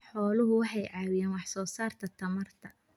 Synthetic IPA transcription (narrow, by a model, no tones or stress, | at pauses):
ħɔːlʊɦʊwɑħɑjʕɑːwɪjaːnwɑħsɔːsaːrt̪ʰɐt̪ʰɐmɐrt̪ʰɐ